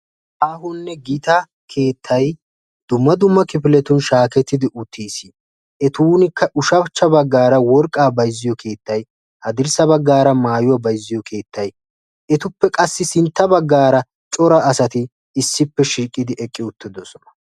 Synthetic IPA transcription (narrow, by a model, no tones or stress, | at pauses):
ʔaːhʊnːɛɡiːt̪ɐ | kʰeːt̪ʰːɐj | d̪̥ʊmːɐd̪ʊmːɐkɪpɪlɛt̪ʊnʃaːkɛt̪ːɪd̪ɪʔʊt̪ʰːiːsi | ʔɛt̪uːnɪkːɐʔʊʃɐbt͡ʃːɐbɐɡːaːɾɐwɔɾkʼːaːbɐjzːɪjɔkʰe̞ːt̪ːɐj | hɐd̪ɪɾsɐbɐɡːaːɾɐmaːjʊwɐbɐjzːɪjɔkʰe̞ːt̪ʰːɐj | ʔɛt̪ʊpːɛkʼɐsːɪsɪnt̪ːɐbɐɡːaːɾɐ | t͡ʃʼɔɾɐʔːsɐt̪ɪː | sːɪpːɛʃiːkʼːɪd̪ɪʔɛkʼːɪʊt̪ːɪd̪ɔsɔnɐ̥